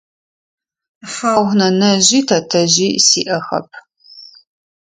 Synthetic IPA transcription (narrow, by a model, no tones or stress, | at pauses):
faːwʁnɐnɐʑiːtʰɐtʰɐʑiːsiːʔɐxɐ̰p̚ʰ